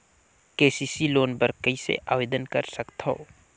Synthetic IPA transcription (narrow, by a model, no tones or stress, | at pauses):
keːsiːsiloːnbəɾkəisḛʔa̰ːʋeːd̪ənkəɾsəkt̪ɦoː